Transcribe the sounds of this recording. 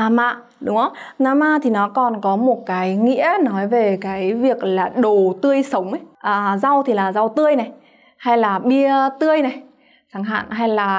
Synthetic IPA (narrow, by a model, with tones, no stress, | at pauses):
naː˧ma̰ː˧˨ | ɗʊ˨˦ŋ͡mʔə˧wŋ͡m | naː˧maː˧t̪ʰi˨˩nɔ˨˦kɔ˨˩nkɔ˨˦mo˨˩t̚kaː˨˦jŋḭ˧˥ənɔ˨˦jve˨˩kaː˨˦jvi˨˩ək̚laː˨˩ɗo˨˩t̪ɨ˧əjsə˨˦wŋ͡mə˨˦jʔaː˨˩za˧wt̪ʰi˨˩laː˨˩za˧wt̪ɨ˧əjna˨˩j | ha˧jlaː˨˩ɓi˧ət̪ɨ˧əjna˨˩j | saː˧˩ŋɦa̰ː˧˨nɦa˧jlaː˨˩